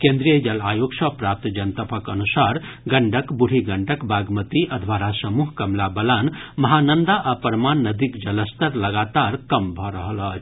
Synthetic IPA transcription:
kẽnd̪ɾijəd͡ʒɐlajoksʌpɾap̚t̪d͡ʒɐnt̪əpʰəkənusaɾ | ɡəɳɖəkbuɽ̤ʱiɡəɳɖəkbaɡmət̪iʔəd̪ʱʋaɾasəmuɦkɐmlabəlanmɐɦanənd̪aʔəpəɾmanːəd̪ikd͡ʒɐləst̪əɾləɡat̪aɾkəmbʱʌɾəɦəlʌ

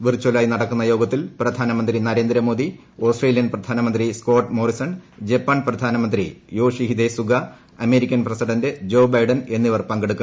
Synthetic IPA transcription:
ʋirt͡ɕːolaːjinɐɽɐkːunːɐjo̞ːɡɐt̪ːilprɐd̪ʱaːnɐmɐnd̪ɾinɐɾe̞ːnd̪ɾɐmo̞ːd̪i | o̞ːsʈreːlijɐnprɐd̪ʱaːnɐmɐnd̪risko̞ːʈːmo̞ːɾisɐnd͡ʑɐpːaːɳprɐd̪ʱaːnɐmɐnd̪ɾijo̞ːʂiɦid̪esuɡɐ | ɐme̞ːɾikʲːɐnprɐsiɖɐndɨd͡ʑo̞ːbɐjɖɐne̞nːiʋɐrpɐŋɡeɽukːɐ

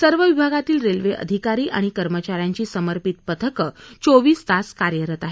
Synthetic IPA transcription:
səɾʋəʋibʱaɡat̪iːlɾelʋeʔə̰d̪ʱikaɾiːʔa̰ɽ̃ikəɾmət͡ɕaɾjaɲt͡ɕiːsəməɾpit̪pət̪ʰəkət͡soʋiːsd̪askaɾjəɾət̪aɦe

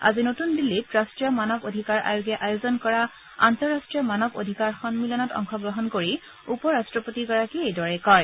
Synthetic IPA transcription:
a̰zinotundilːitɹastɹijɔmanɔbodʱikaɹʔa̰joɡjɛʔajozɔnkɔɹa | a̰ntɔɹːastɹijɔmanɔbo̰dʱikaɹxɔnmilɔnɔtɔ̰ŋxɔɡɹɔɦɔnkoɹi | upɔɹastɹɔpotiɡɔɹakiejdɔɹɛkɔɹ

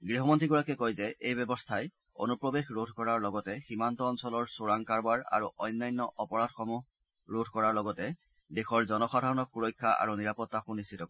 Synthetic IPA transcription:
ɡɹiɦɔmɔntɹiɡɔɹakɛkojzɛʔejbɔbɔstʰaj | o̰nupɹɔbexɹodʱkɔɹaɹlɔɡɔtɛximantɔːnsɔlɔɹsuɹaŋkaɹbaɹa̰ɹuʔɔjnːajnːɔʔɔpɔɹadxɔmuɦ | ɹodʱkɔɹaɹlɔɡɔtɛ | dexɔɹzɔnɔxadʱaɹɔnɔkxuɹɔjkʰːaʔa̰ɹuniɹapɔtːaxunːist͡ʃʰitɔk

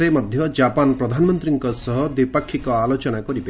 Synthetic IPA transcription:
emɔd̪ʱjɔd͡ʒapanpɾɔd̪ʱanmɔnt̪ɾiŋkɔsɔɦɔd̪ipakʰːikɔalot͡ʃɔnakɔɾibe

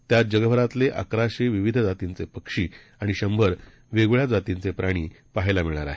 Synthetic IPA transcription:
t̪jat̪̚d͡ʑəɡəbʱəɾat̪leʔa̰kɾaɕeʋiʋid̪ʱd͡zat̪int͡sepəkʂiː | aɽ̃iɕəmbʱəɾ | ʋeɡɭjad͡zat̪int͡sepɾaɽ̃iː | paɦjlamiɭ̃aɾa̰ɦe

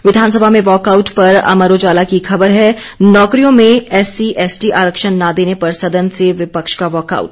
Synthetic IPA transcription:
ʋɪd̪ʱaːnsəbʱamẽʋɔːkaːʊʈpɐɾɐ̰məɾod͡ʒaːlakixɐbəɾɦɛːnɔːkɾijõmẽɛːsiʔɛːsʈiʔaːɾəkʃənːad̪eːnepɐɾsɐd̪ənseʋɪpəkʃkaʋɔːka̰ːʊʈ

